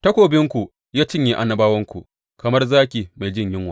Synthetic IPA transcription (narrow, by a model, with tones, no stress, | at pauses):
tɐ˦kʷoː˨bɪ˦ŋkʷu˨ | jaː˦t͡ʃɪ˦ɲji˦ʔa˨nːɐ˨baː˦wɐ˦ŋkʷu˨ʔ | kɐ˨mɐ˦rzaː˦kʲiː˨ma˨jd͡ʒɪ˦˨ɲjɪ˦ŋwaː˨